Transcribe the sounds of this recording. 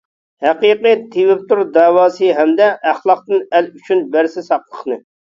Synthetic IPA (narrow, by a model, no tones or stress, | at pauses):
hæqiqɨt̪ʰːewɪp̚t̪uɾd̪ɑːwɑːsɨɦɛmd̪ɛʔæχlˠɑq̚t̪ɨnɛlyt͡ʃʰynbæɾsɪsɑqlˠə̥χnɨ